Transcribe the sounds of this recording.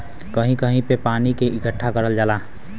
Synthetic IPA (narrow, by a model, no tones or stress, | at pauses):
kəɦĩkəɦĩpepanikeʔiɡəʈʰːakəɾəld͡ʒaːla